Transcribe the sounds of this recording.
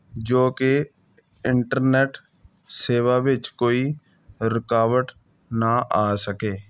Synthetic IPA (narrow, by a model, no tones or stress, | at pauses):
d͡ʒoːke | ɪɳʈəɾneːʈ | seːʋaːʋɪt͡ʃkoːiː | ɾɪkaːʋəʈ | naʔaːsəkeː